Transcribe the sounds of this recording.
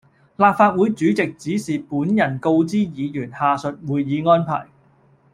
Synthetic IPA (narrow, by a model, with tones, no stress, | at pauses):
laː˨p̚faː˧t̚wuː˨˥jt͡ʃyː˨˥t͡sɪ˨k̚t͡siː˨˥siː˨puː˨˥njɐ˨˩nko˧wt͡siː˥jiː˨˧jyː˨˩nhaː˨sɵ˨t̚wuː˨jːiː˨˧ŋɔː˥npʰa̰ː˨˩j